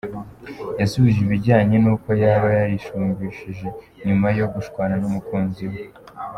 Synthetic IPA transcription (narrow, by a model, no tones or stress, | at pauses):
jasuβiʒiβiɟaːɲe̞nuːko̞jaβajajiʃuːɲbiʃiʒe̞ | ɲumajo̞ɡuʃkwaːnanumukuːnziwe